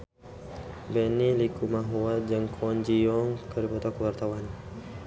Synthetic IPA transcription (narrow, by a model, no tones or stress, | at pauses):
bɛnilikumaɦuad͡ʒaŋkʰɔɲd͡ʒiɔŋkəɾipɔt̪ɔkəwart̪awan